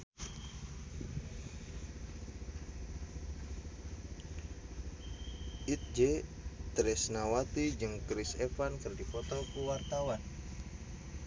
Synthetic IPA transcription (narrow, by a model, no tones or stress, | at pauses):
ʔit̪̚d͡ʒet̪ɾɛsnawat̪id͡ʒɨŋkɾisɛfankɨrdipɔt̪ɔkuwart̪awan